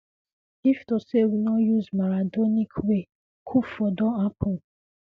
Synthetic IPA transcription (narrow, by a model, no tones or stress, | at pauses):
iftosewinɔjuzmaɹadɔnikʰwe | kʰufɔdɔ̃apʰo